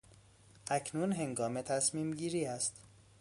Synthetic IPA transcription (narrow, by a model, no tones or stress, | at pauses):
ʔæcʰnunɦe̞ŋɡɒːmet̪ʰæsmiːmɟiːɾiːæst̪